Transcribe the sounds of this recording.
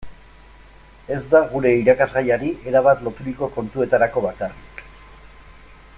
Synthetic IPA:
e̞zd̪aɣuɾe̞iɾakazɣajaɾiʔe̞ɾaβ̞at̪lo̞t̪uɾiko̞ko̞nt̪ue̞t̪aɾako̞βakarik

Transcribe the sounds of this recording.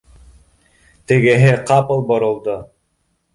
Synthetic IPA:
t̪ɘ̆ɡɘɦɘqɑpɤlˠboɾŏlˠd̪o

